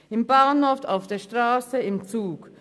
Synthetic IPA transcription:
ɪmbaɐnhoɐftaʊfd̥eːɐʃtʁ̥aːsəɪmt͡suːk

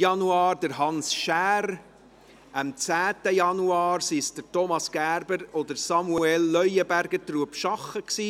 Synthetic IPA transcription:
jɑnuɑːɾdəɾɦɑnsʃæːɾ | əmt͡sæːt̪əjɑnuɑːɾsisd̥əɾtɔmɑsɡ̥æːɾbəɾɔd̪əɾsɑmuɛlːœʏjəbæɾɡ̥əɾt̪ruəpʃɑχːəksiː

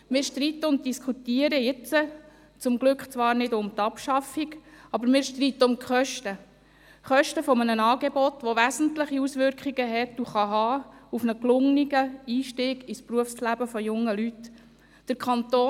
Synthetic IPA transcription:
mɪːɾʃtɾit̪ːəʊnt̚d̥iskʰχutiəɾəjɪt͡sə | t͡sʊmɡlʏkχt͡sʋɑːɾnɪdʊmt̪ɑpʃɑfiɡɑbɾmɪːɾʃtrit̪ːəʊmkχœʃtə | χœʃtəfɔmənənɑːɡ̥ebɔtʋɔʋæsn̩tləχiusʋʏɾkχiɡ̥əɦɛtuχɑɦɑːufnəklʊŋniɡəiːʃtiːɡispɾuəfslæb̥əfɔjʊŋːəlyt | d̥əɾkʰɑnt̪oː

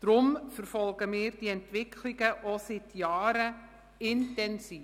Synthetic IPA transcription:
d̥ɾʊmfəɾfɔlɡəmɪːɾd̥iɛntʋɪkʰliɡəʔosɪtjɑːɾə | ɪntɛnsiː

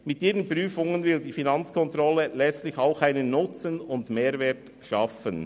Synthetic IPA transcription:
mɪtiːɾənpɾyːfʊŋənvɪldiːfinɑnt͡skʰɔnt̪ɾɔlːəlɛt͡stlɪçaʊxaɪnənːʊt͡sənʊndmeːɾvɛːt | ʃɑfən

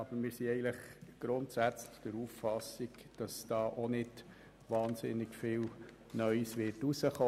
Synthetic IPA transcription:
ɑb̥əɾmɪːɾsiɛɪɡən̩ləχɡ̥ɾʊntsæt͡slɪxd̥əɾuffɑsiɡd̥ɑsd̥ɑːʔonɪd̥ | ʋɑːnsɪnːɪɡ̥fɪːl | nœʏsʋɪrtusəχoː

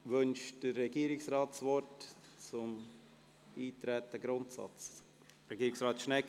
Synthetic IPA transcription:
ʋɵnʃd̥ərːɛɡiːɾɪksrɑːtsvɔɾtt͡sʊm | iːtɾɛt̪əɡɾʊntsɑ̰t͡s | ɾɛɡiːɾɪksʁɑːtʃnɛk

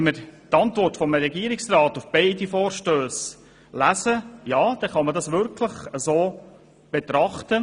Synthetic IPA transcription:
ɛnməɾt̪ɑntʋɔrtfɔmɾɛɡiəɾɪksrɑːt̪ufb̥ɛɪdifɔːɾʃtøːs | læsəjɑːd̥ɛχɑmədɑsʋʏɾkʰləχəzoː | b̥ɛt̪ɾɑχt̪ə

